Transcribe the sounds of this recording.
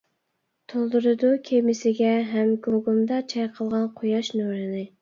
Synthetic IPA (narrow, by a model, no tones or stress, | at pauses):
t̪ʰolˠd̪uɾɨd̪ukʲʰemɪsɪɡʲɛɦɛmɡoɡumd̪ɑt͡ʃʰɛjqʰəlˠʁɑnqʰojɑʃnoɾɨnɪ